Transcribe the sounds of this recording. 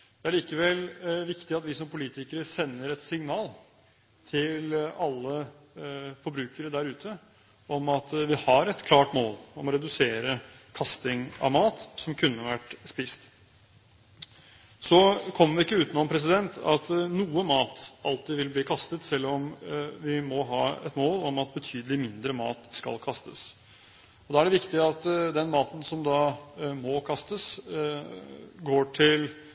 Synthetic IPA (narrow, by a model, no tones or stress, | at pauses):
d̪̥ɛæɭiːkəʋɛlʋɪkt̪ɪɑt̪ʋɪsɔmpʊliːt̪ɪkəɾəsɛnːəɾɛt̪sɪŋnɑːl | t̪ʰɪlɑlːə | fɔɾbɾʉːkəɾəd̪æɾʉːt̪ʰə | ɔmɑt̪ʋɪhɑɾɛt̪kʰlɑːʈmoːlɔmɔɾɛd̪ʉseːɾə | kʰɑst̪ɪŋɑ̰ʋmɑːt̪sɔmkʰʉnːəʋæʈspiːst̪ | sɔkʰɔmːəɾʋɪɪkːəʉːt̪nɔnpʰɾɛs̬ɪd̪ɛnt̪ɑt̪nuːəmɑːt̪ɑlt̪ɪʋɪlbliːkʰɑst̪ət̪sɛlːɔmʋɪmɔɦɑːɛt̪moːlɔmɑt̪̚bət̪ʰyːd̪əlɪmɪnd̪ɾəmɑ̰ːt̪skɑ̰lkʰɑst̪əs | ɔd̪ɑːæɖɛʋɪkt̪ɪəɑt̪d̪ɛnmɑːt̪n̩sɔmd̪ɑːmɔkʰɑst̪əs | ɡoːʈʰɪl